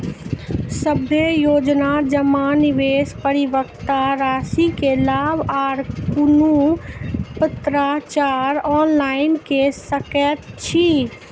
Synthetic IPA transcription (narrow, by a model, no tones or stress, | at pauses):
səbʱejoːd͡ʒnad͡ʒəmaniʋespəɾiʋəkt̪aɾaːsikelaːbaɾkunu | pət̪ɾat͡ʃaɾɔːnlaɪnkesəkət̪t͡ʃʰi